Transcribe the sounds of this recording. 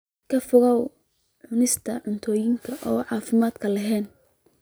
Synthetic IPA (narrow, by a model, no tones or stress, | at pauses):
kʰɐfʊɣɐw | ʕʊnɪst̪ʰɐʕʊnt̪ʰɔːjɪŋkʰɐʔɔːʕɑːfɪmaːd̪kʰɐlɐɦɛːn